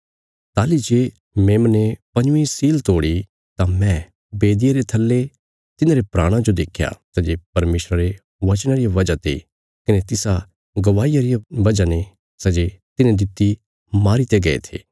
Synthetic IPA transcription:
t̪aːlid͡ʒeː | meːmnepɐ̃ɲʊ̃ĩsiːlt̪oːɽi | t̪ãmɛ̃ | beːd̪ɪjeɾet̪ʰɐlːe | t̪ɪnãɾepɾaːɽ̃ãd͡ʒod̪eːkʰja̰sɐd͡ʒepɐɾmeːsɾaɾe | ʋɐt͡ʃɽ̃aɾijaʋɐd͡ʒat̪ʰḭ | kɪnet̪ɪsa | ɡɐʋaːijaɾijaʋɐd͡ʒane | sɐd͡ʒet̪ɪnẽd̪ɪt̪ːi | maːɾit̪eɡɐḛt̪ʰḛː

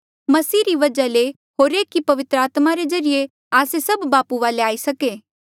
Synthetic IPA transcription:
mɐsiːɾiʋɐd͡ʒale | ɦoːɾeːkːipɐʋɪt̪ɾəaːt̪maɾed͡ʒɐɾije | aːsesɐbːaːpuʋaːleaːisɐkeː

